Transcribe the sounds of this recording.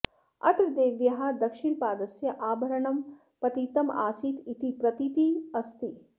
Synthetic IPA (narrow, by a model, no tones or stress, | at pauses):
ɐ̰t̪ɾd̪eːʋjɐɦɐd̪ɐkʃiɳpaːd̪ɐsjɐʔaːbʱɐɾɐɳɐm | pɐt̪it̪ɐma̰ːsit̪it̪ipɾɐt̪it̪iɐst̪i